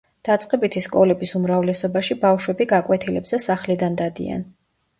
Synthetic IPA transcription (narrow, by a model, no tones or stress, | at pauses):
d̪̥at̪sʼqʼɛbit̪ʰiskʼɔlɛbisumɾavlɛsɔbaʃibafʃwɛbiɡakʼwɛt̪ʰilɛbzɛsaχlid̪and̪ad̪ḭa̰n